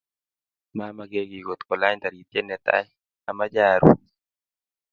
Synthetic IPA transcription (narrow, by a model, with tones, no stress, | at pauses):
ma˦ma˨ɡe˦ɡi˨ɡo˨t̪kɔ˨la˦ɲd̪a˨ɾi˨t̪je˦nːɛ˨t̪a̰˦j | a˨ma˦d͡ʒaɾṵ˨